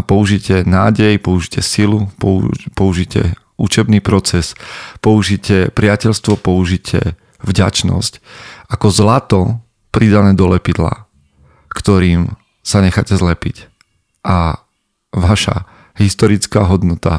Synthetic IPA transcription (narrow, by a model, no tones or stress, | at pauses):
pɔuʒicɛnaːɟɛjpɔuʒicɛsilupɔpɔuʒicɛ̰ | ut͡ʃɛbniːpɾɔt͡sɛspɔuʒicɛpɾɪacɛʎst̪ʋɔpɔuʒicʰɛ̰ | vɟa̰t͡ʃnɔ̰scakɔzlat̪ɔ | pɾid̪anɛːd̪ɔlɛpid̪la̰ | kt̪ɔɾiːm | saɲɛxacɛzlɛpic | ʔa | ʋaʃa̰ | ɦist̪ɔɾit͡skaːɦɔd̪nɔt̪a